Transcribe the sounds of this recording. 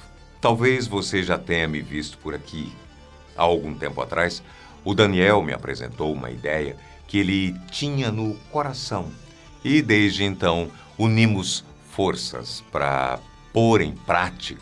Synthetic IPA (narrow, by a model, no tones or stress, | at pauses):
t̪awvezvoseʒat̪ẽɲɐmɪvist̪ʊ̥pʊɾakʰi | a̰awɡũt̪ẽmpʊa̰t̪ɾʔajs | ʊd̪ɐniɛwmɪ̰a̰pɾḛzḛ̃nt̪owũmɐ̰ḭd̪ɛjɐ̰ | kɪelɪt͡ʃĩɲɐnʊkoɾasɐ̃w̃ | ɪd̪ezd͡ʒɪẽnt̪ɐ̃w̃ | unĩmʊs | foɾsɐ̰spɾɐ̰ | poɾẽj̃pɾat͡ʃik